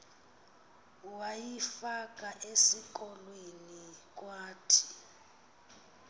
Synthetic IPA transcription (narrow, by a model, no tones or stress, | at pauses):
wajifak̬ʼaʔesikɔlwenik̬ʼwaːtʰi̥